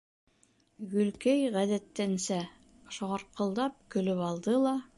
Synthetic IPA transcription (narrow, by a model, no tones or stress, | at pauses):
ɡɵ̆lkæjʁæðæt̪ːænsæ | ʃŏʁɑɾqɤ̆lˠd̪ɑp̚kɵ̆lɵpɑlˠd̪ɤlˠɑ